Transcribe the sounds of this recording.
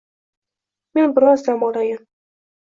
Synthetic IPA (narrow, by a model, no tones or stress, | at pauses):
me̞nbɪɾɒzd͡ʒ̪amɒlajam